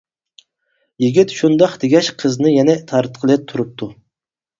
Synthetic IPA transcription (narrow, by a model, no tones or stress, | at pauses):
jiɡʲit̪ʃund̪ɑqd̪ɪɡʲɛʃqʰəznɨjɛnɛt̪ʰɑɾt̪qʰəlˠɨt̪ʰuɾup̚t̪ʰu